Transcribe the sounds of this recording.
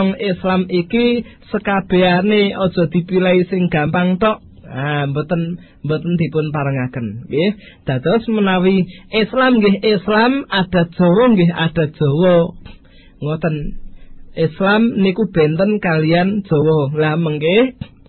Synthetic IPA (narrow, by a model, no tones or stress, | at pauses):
ɔŋɪslamikisəkab̥e̤aneɔd̥ʒ̥ɔ̤d̪̥i̤pilaisɪŋɡ̥ä̤mpaŋt̪ɔʔ | ambət̪ən | mbət̪ənd̪̥i̤pʊnpaɾəŋakənɡeh | d̪̥a̤d̪̥ɔsmənawiʔɪslamŋɡɪɦʔɪslamad̥a̤t̪̚d̥ʒ̥o̤wɔŋɡɪɦa̰d̥a̤t̪̚d̥ʒ̥ɔ̤wɔ | ŋɔt̪ən | ʔɪslamnikub̥ɛ̤nt̪ənkalijand̥ʒ̥ɔ̤wɔlaməŋkɪh